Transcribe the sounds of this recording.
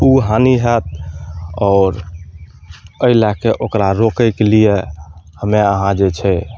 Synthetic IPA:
uɦaniɦɛt̪̚ | ɔːɾ | əilakeʔokɾaɾokəɪkelijehəmeəɦãd͡ʒet͡ʃʰɛ

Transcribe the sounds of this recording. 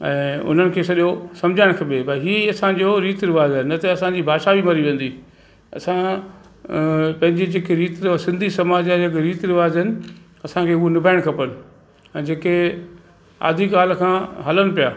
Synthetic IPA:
ɛ̰̃ːʊ̰n̤ənɪ̆kʰeːsɐɗijosɐmd͡ʑʱaːɪɽ̃kʰɐɓebɐɦiːɐsãd͡ʑoɾiːt̪ɾɪʋaːzɪnɐt̪eɐsãɲd͡ʑiːbʱaːʃaʋimɐɾiʋẽːn̆d̪iː | ɐ̰sã | pɐ̃ɦɪ̃ɲd͡ʑid͡ʑeːkeɾiːt̪ɾɪsɪ̃nd̪ʱisɐmaːd͡ʑaɐkɾiːt̪ɾɪʋaːzɦɪnɪ̆ | ɐsãkʰeːʊɦonɪbʱaːɪɽ̃kʰɐpənɪ̆ | ɛ̃ːd͡ʑeːke | a̰ːd̪ʱikaːlkʰãːɦɐləmɪ̆pijaː

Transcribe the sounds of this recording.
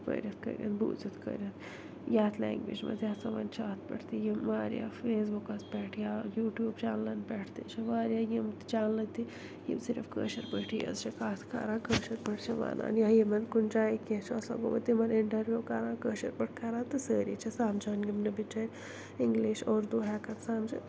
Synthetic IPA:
pə̰ɾʲɐt̪kə̰ɾʲjə̰t̪bṵːd͡zit̪kə̰ɾʲjət̪ | jaːt̪ʰlɛ̰ːŋɡʋḛːd͡ʒmɐ̰d̪jasɐʋɐ̰nt͡ʃʰaːt̪pə̰ʈʰt̪ijimʋaːɾja̰feːsbukaspɛːʈʰjaːjuːʈjuːbt͡ʃaːnlɐnpɛːʈʰt̪ḛt͡ʃʰeʋaːɾʲjaːjimt͡ʃaːnlɐt̪i | jḭmsiɾəfkə̰ːʃɐɾpəʈʰijɐ̰zt͡ʃʰekaːt̪ʰka̰ɾãːkəːʃɐɾpəʈʰt͡ʃʰeʋa̰ːna̰ːniɐjimɐnd̪kunt͡ʃaːiket͡ʃʰasa̰ɡoːmɐt̪ːimɐɾɪɳʈɐɾʋjuːkaːɾãːkəːʃɐɾpəʈ̚ʰkaɾãːt̪ːɨsəːɾḭːt͡ʃʰɐsaːmd͡ʒaːnɡimnɐbit͡ʃɐɾ | iŋɡliːʃoːɾd̪uːɦaːkɐnsaːmt͡ʃɐ̰

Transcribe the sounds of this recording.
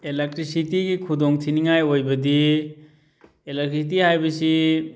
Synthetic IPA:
elek̚ʈɾisit̪ikikʰud̪ɔŋt̪ʰiniŋajojbəd̪i | elekɾisit̪̬iɦajbisi

